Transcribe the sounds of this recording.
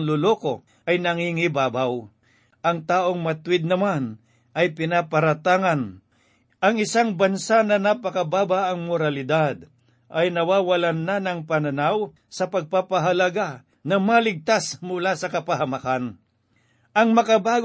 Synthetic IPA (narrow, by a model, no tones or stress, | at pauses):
ŋlʊloko̞ | ʔɐjnɐŋiŋɪbaːbaw | ʔɐŋt̪aːʔoŋmɐt̪wɪd̪̚nɐman | ʔɐjpɪnapɐɾɐt̪aːŋɐn | ɐŋɪsaŋbɐnsanɐnɐpɐkɐbaːbaʔɐŋmoɾalɪd̪ad̪̚ | ʔɐjnɐwaːwɐlanːanɐŋpɐnɐnaw | sɐpɐɡ̚papɐɦɐlɐɡa | nɐmalɪɡ̚t̪asmʊlasɐkɐpɐɦɐmakan | ʔɐŋmɐkabaːɡ